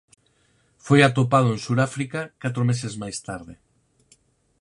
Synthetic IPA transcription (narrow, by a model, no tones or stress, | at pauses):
fojat̪opað̞ʊẽnsuɾafɾikakat̪ɾomesezmajst̪aɾðɪ